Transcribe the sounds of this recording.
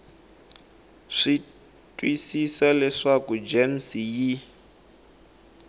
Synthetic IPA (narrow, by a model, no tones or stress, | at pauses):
ʂi | tʼwisisɛlɛʂakud͡ʒemsiji